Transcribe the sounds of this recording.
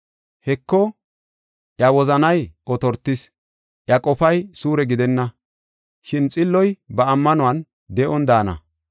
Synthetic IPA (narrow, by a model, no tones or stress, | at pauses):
hɛkːɔ | ʔjɐwɔzɐnɐjʔɔt̪ɔɾt̪ːɪs | ʔjɐkʼɔfɐjsuːɾɛɡɪd̪ɛnːɐ | ʃɪnt͡sʼɪlːɔjbɐːmːɐnʊwɐn | d̪ɛʔɔnd̪aːnɐ̰